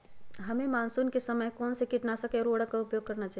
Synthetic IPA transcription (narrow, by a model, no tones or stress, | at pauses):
ɦəmemansunkesəməjkɔnsekiʈnasəkeɔːɾoɽakaupjoɡ̚kəɾnat͡ʃaɦ